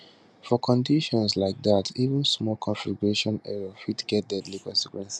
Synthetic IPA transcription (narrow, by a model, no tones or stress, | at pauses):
fɔkʰɔ̃ndiʃɔ̃nslaɪk̚datʰivə̃nsmɔlkʰɔ̃nfiɡuɹeʃɔ̃nɛɹəfitɡ̥ɛt̚dɛdlikɔ̃nsikwɛ̃nsi̥